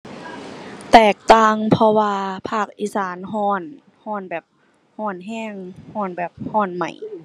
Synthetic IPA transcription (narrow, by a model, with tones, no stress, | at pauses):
t̪ɛː˨˩k̚t̪aː˧˩˨ŋpʰɔ˧waː˧pʰaː˧˥˩k̚ʔiː˧˥˨saː˨˦nɦɔː˧˥˩n | hɔː˧˥˨nbɛː˨˩p̚ | hɔː˧˩nɦɛː˧˥˨ŋhɔː˧˩˨nbɛː˨˩p̚hɔː˧˩˨nma̰˨˩j